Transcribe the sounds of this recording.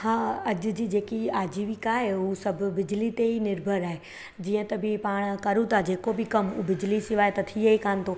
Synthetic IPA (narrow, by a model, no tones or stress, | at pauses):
hãːɐʄʊ̆d͡ʑiːd͡ʑeːkiaːd͡ʑiːʋɪkaːɦeusɐbʱʊ̆bɪd͡ʑlit̪eɦinɪɾbʱəɾaːɦe | d͡ʑiːə̃t̪ɐbɪpaːɽ̃kɐɾũt̪ʰad͡ʑeːkobʱɪkɐmubɪd͡ʑlisɪʋaːet̪ɐt̪ʰijəikaːnɪ̆t̪ʰo